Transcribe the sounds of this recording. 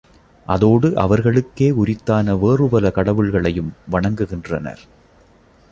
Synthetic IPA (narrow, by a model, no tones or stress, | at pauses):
ʔɐðoːɽɯʔɐʋɐɾɣɐɭɯkːeːʊɾɪt̪ːaːnɐʋeːrɯpɐlɐkɐɽɐʋɯɭɣɐɭɐjɯmʋɐɳɐŋɡɯɣɪndrɐnɐ̰ɾ